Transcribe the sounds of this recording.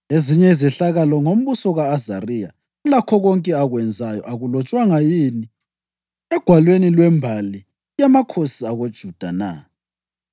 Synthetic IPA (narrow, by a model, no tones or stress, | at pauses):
eziɲɛizɛɬaɣalɔŋom̩βusɔɣaːzarija | ɣulakʰɔɣɔŋkʼɛaɣwɛnd͡zʱajɔ̰ʔaɣulɔt͡ʃʼwaŋajini | ɛɡ̥ʱwalwenilwɛmbʱali | jamakʰosiaɣod̥ʒ̥ʱud̥ʱana̰